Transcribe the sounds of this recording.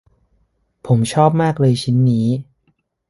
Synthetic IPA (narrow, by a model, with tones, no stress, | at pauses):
pʰo˩˦mt͡ɕʰɔː˥˩p̚maː˥˩k̚lɤː˧jt͡ɕʰi˦˥nːiː˦˥